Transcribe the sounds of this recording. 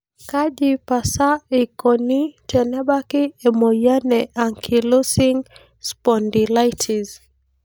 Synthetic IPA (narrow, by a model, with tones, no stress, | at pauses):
ka˦ʄi˨pa˨sa˦i˨kɔni˦t͡ʃɛ˨nɛ˦ɓa˦ki˦ɛmɔ˨ja˦nɛʔa˨ŋkʰi˨lɔ˦si˦ŋ | spɔndilajtʰiz